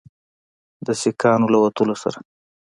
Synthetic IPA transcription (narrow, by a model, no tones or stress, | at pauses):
d̪əsɪkɑnolawat̪əlosa̰ɾa